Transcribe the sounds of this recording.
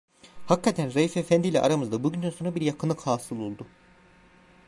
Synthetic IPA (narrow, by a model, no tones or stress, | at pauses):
hakʰːat̪ʰænɾajifefænd̪iːlʲɛ̰ʔa̰ɾamɯzd̪abuɟynd̪ænso̞nɾabiɾjakʰɯnːˠɯkhaːsɯlˠolˠd̪u